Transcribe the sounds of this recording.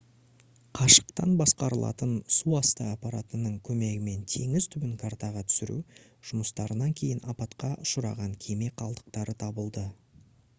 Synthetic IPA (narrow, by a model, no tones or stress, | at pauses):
qʰɑʃə̥qt̪ɑnbɑsqɑɾəlˠɑ̰t̪ənsuɑst̪əːpɑɾat̪ənəɴkʲʰɵme̞ɡʲɪme̞nt̪ʰe̞ŋɪz̥t̪ʰʏbɪŋkʰaɾt̪ɑʁɑt̪ʰʏ̥sɪɾṵ | ʒ̥ʊməst̪ɑɾənɑŋkʲʰe̞jɪnʔɑpɑt̪qɑʃʊɾɑ̰ʁɑŋkʲʰe̞me̞qʰɑlˠd̪ə̥qt̪ɑɾət̪ʰɑbəlˠd̪ə